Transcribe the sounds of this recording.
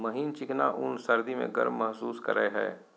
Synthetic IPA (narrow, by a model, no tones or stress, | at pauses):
məɦiːnt͡ʃɪknaʔʊnsɐɾd̪imḛ̃ɡə̰ɾmːɐɦsuːskə̰ɾəeɦɛ̰ː